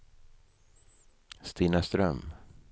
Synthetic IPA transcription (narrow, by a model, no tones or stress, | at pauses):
st̪iːnast̪ɾœm